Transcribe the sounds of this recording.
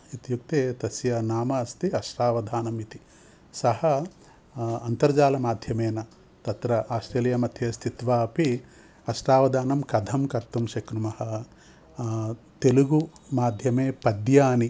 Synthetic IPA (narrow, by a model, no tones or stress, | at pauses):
it̪juk̚t̪eːt̪ɐsjɐnaːmɐːst̪iɐʃʈaːʋɐd̪ʱaːnɐmit̪i | sɐhɐ | ɐnt̪ɐɾd͡ʒaːlɐmaːd̪ʱjɐmeːnɐ | t̪ɐt̪ɾɐʔaːsʈɾeːljɐmɐt̪ʰjeːst̪ʰit̪ʋaːɐpi | ɐʃʈaːʋɐd̪ʱaːnɐmkɐd̪ʱɐmkɐɾt̪umʃɐkɾumɐhɐ̆ | t̪eluɡumaːd̪ʱjɐmeːpɐd̪jaːni